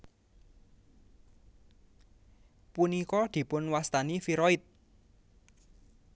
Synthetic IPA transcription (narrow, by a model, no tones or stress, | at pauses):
punikɔd̪̥i̤pʊnwast̪anifiɾɔɪt̪̚